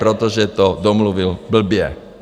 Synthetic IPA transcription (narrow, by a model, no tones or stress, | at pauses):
pɾɔt̪ɔʒɛt̪ɔd̪ɔmluʋilbl̩bɪjɛ